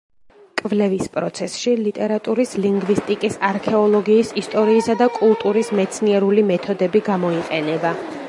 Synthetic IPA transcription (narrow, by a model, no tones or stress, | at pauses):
kʼvlɛvispʼɾɔt̪sʰɛsʃilit̪ʼɛɾat̪ʼuɾisliŋɡvist̪ʼikʼisaɾkʰɛɔlˠɔɡiːsist̪ʼɔɾiːsad̪akʼulˠt̪ʼuɾismɛt̪sʰniɛɾulimɛt̪ʰɔd̪ɛbiɡamɔiqʼɛnɛba